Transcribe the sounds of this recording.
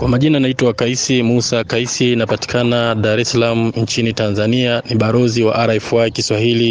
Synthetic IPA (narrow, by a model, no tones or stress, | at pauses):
kwamaʄinanaitwaakaisimusakaisiːnapati̥kʰanaɗaɾɛsalamuɲt͡ʃinitanzanianiɓaɾɔziwa̰ʔaɾɛfuakiswahili